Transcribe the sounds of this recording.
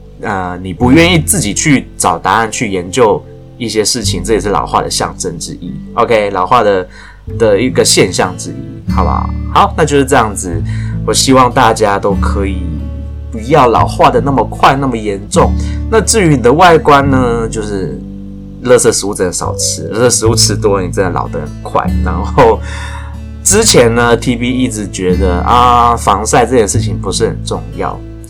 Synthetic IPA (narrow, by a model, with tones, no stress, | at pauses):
ə˨˩ni˨˩pu˧˦ɥɛ˥˧ni˥˧t͡sɹ̩˥˩t͡ɕi˨˩t͡ɕʰy˥˩ʈ͡ʂɑ˨˩ʊt̪a˧˦a˥˧nt͡ɕʰy˥˩jɛ˧˦nt͡ɕjo˥˧ʊ | i˥˩ɕjɛ˥ʂɻ̩˥˩t͡ɕʰi˨˦ŋʈ͡ʂɤ˥˩jʂɻ̩˥˩lɑ̰˨˩ʊxwa̰˥˩d̪ə̰˩ɕjɑ̰˥˨˩ŋʈ͡ʂə˥nʈ͡ʂɻ̩˥i˥˩o˧ʊkʰe˥ɪlɑ˨˩ʊxwa˥˩d̪ə˩ | d̪̥ə˨˩i˧˥ɡə˨ɕjɛ˥˧nɕjɑ˥˩ŋʈ͡ʂɻ̩˥i˥xɑ˧˩ʊba̰˧˩xɑ˨˩˦ʊna˥˧t͡ɕjo˥˧ʂɻ̩˥˧ʈ͡ʂɤ˥˧jɑ˥˩ŋd͡zɹ̩˩wɔ˨˩ɕi˥wɑ˥˧ŋt̪a˥˨t͡ɕja˥t̪o˥ʊkʰɤ˧˦˥i˨˩ | pu˧˥jɑ˥˩ʊlɑ̰˨˩ʊxwa˥˩d̪ə˩na˥˩mə˩kʰwa˥˧ɪna˥˩mə˩jɛ˧˥nʈ͡ʂʊ˥˩ŋna˥˧t͡sɻ̩˥˩y˧˥ni˨˩d̪ə˦wa˥˩ɪkwa˥nnə˧t͡ɕjo˥˧ʊʂɻ̩˥˧ | lɤ˥˧sɤ˥˩su˥˩t͡sə˨˩n˨˩ʂɑ̰˨˩ʊt͡sʰɻ̩˧˥lɤ˥˧sɤ˥˩s̩˧˥u˥˧t͡sʰɻ̩˧˥t̪ɔ˥˧ni˨˩t͡sə˥na˥˧˩lɑ̰˨˩ʊd̪ə̰˦ə˨˩nkʰwa̰˥˩ɪna˧˥ŋxo˥˩ʊ | ʈ͡ʂɻ̩˥t͡ɕʰjɛ˧˥nnə˧t̪ʰi˥pi˥i˥˩ʈ͡ʂɻ̩˧˥t͡ɕɥɛ˧˥d̪ə̰˧a˧fɑ˧˥ŋsa˥˧ɪʈ͡ʂɤ˥˧t͡ɕʰjɛ˥˧nʂɻ̩˥˩t͡ɕʰi˨˩ŋpu˧˥ʂɻ̩˥˩xə̰˨˩nʈ͡ʂʊ˥˧ŋjɑ̰˥˩ʊ